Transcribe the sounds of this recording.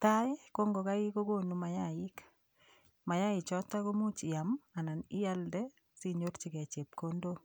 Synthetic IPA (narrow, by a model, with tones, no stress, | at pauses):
ta˦ko˦ŋɡo˨ka˦ki˦ko˦ko˦nu˨ma˨ja˦ɪ˦k | ma˨ja˦ɪ˨t͡ʃɔ˦ta˦ko˦mu˦t͡ʃi˨ja˨ma˨na˨nɪ˦ja˦ldɛ˦ | si˦ɲo˦ɾt͡ʃi˨kɛ˨t͡ʃe˨p̚ko˦ndo˦